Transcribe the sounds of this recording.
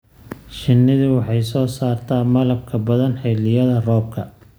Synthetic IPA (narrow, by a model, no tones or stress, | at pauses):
ʃɪnːɪðɪwɑħɑjsɔːsaːrt̪ʰaːmɐlɐb̚kʰɐbɐðɐnħɛːlɪjɐðɐrɔːb̚kʰɐ